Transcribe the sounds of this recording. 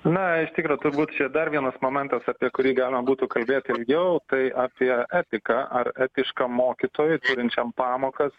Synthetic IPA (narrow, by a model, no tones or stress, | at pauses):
nɐɪʃt̪ʲɪkɾoːt̪ʊɾbuːt̪t͡ʃʲɛd̪ɐrʋʲiɛnɐsmoːmʲɛnt̪ɐsɑːpʲiɛkʊɾʲiːɡɑːlʲɪmɐbuːt̪uːkɐlʲbʲeːt̪ʲɪlʲɡʲɛʊt̪ɐɪʔaːpʲiɛʔæːt̪ʲɪkɐʔɐrɛːt̪ʲɪʃkɐmoːkʲɪt̪oːjʊt̪uːɾʲɪnʲt͡ʃʲɛmpɑːmoːkɐs